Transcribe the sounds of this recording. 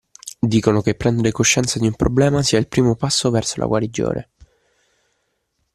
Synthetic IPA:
d̪iːkonokepːɾɛnd̪eɾekoʃːɛnt̪sad̪iumpɾoblɛːmasiːailpɾiːmopasːovɛrsolʔa̰ɡwaɾid͡ʒo̰ːɾʔḛ

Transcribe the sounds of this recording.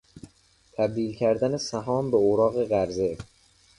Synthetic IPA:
t̪ʰæb̚d̪iːlcʰæɾd̪ænesæɦɒːmbeoɾɒːɣe̞ɣæɾze̞

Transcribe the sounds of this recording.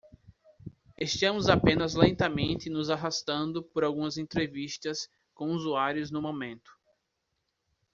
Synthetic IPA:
eʃt̪ɐ̃mʊzapẽnɐzlẽnt̪ɐmẽnt̪ɪnʊzaɦast̪ɐ̃nd̪ʊpoɾawɡũmɐzẽnt̪ɾeviʃt̪ɐs | kõuzuaɾjʊznʊmõmẽnt̪ʊ̥

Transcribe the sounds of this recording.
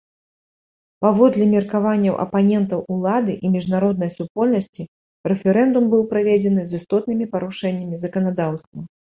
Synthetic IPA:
pavɔd̪lʲɛmʲirkavanʲːɐwʔɐ̰panʲɛnt̪ɐwʔulˠad̪ɨʔimʲiʐnaɾɔd̪̚nɐjsupɔlʲnɐsʲt͡sʲi | rɛfʲɛɾɛnd̪umbɨwpɾavʲed͡zʲɛnɨzɨst̪ɔt̪nɨmʲipɐɾuʂɛnʲːɐmʲizɐkɐnad̪awst̪vɐ

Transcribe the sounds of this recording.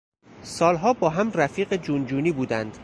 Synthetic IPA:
sɒːlɦɒːbɒːɦæmræfiːɢed͡ʒund͡ʒuːniːbuːd̪ænd̪̥

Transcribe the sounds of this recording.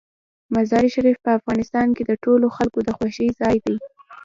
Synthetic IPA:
mazɑɾiʃaɾifpəafɣɑnɪst̪ɑnked̪əʈoloxalkod̪əxwaʃəjzɑjd̪aj

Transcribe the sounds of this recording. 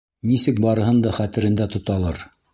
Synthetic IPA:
nisɘk̚bɑɾɤ̆ɦɤnd̪ɑχæt̪ɘ̆ɾɘ̆nd̪æt̪ŏt̪ɑlˠɤɾ

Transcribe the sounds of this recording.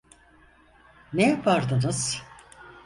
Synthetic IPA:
nejapʰaɾd̪ɯnɯz̥

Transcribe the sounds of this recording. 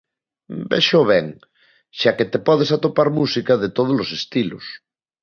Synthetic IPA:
bḛʃoβɛŋ | ʃaket̪epɔð̞esat̪opaɾmusikaðet̪oð̞olosest̪ilo̰s

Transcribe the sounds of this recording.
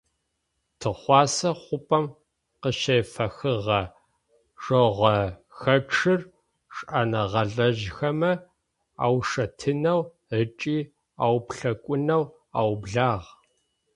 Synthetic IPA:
tʰɨχʷɑːsɐχʷʊpʼɐm | qəʃɐjfɐxɨʁɐ | ʂoʁʷɐxɐʈ͡ʂʰɨr | ʂʼʔanɐʁɐɮɐʒxɐmɐ | a̰ːwʂɐtʰɨnɐw | ət͡ʃʼiː | aːwpɬɐkʷʼʊnɐw | aːwbɮaːʁ

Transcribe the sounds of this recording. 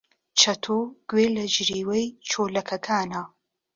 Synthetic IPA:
t͡ʃʰɐt̪ʰoɡ̥weːlɐd͡ʒɾiːwɐjt͡ʃʰoːlɐkʰɐkʰaːnɐ

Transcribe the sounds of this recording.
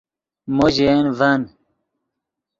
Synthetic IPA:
moʑenvɐn

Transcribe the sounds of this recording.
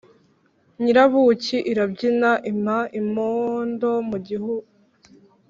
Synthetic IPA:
ɲiɾaβuciʔiɾabɟinaʔimhaʔimoːndo̞muɟihuɡ

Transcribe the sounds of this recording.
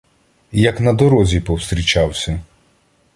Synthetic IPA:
jɐknɐd̪ɔɾɔzʲipɔwst̪ɾʲit͡ʃawsʲɐ

